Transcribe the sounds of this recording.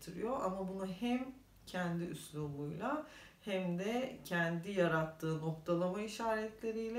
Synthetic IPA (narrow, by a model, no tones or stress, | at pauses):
t̪ʰiɾḭjo̞ʔamabunahɛm | cʰɛnd̪iyslʲulˠujlˠa | hæmd̪ɛcʰɛnd̪ijaɾat̪ʰːɯːno̞kt̪ʰalˠamaiʃaːɾɛt̪lʲe̞ɾijlʲɛ